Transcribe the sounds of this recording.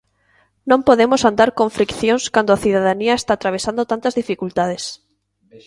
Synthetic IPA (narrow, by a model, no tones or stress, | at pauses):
nõmpoðemosand̪aɾkõɱfɾikθjõŋskand̪oaθiðaðaniɐest̪aːt̪ɾaβesand̪ot̪ant̪ɐzðifikult̪aðes